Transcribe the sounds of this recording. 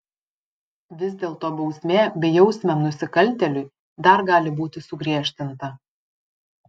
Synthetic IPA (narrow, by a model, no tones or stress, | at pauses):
ʋʲɪzʲd̪ʲeːlˠt̪oːbɒʊsʲmʲeːbʲɛjɛʊsʲmʲɛmnʊsʲɪkɐlʲˑt̪ʲɛlʲʊɪ | d̪ɐɾɡɑːlʲɪbuːt̪ʲɪsʊɡɾʲiɛʃʲt̪ʲɪnt̪ɐ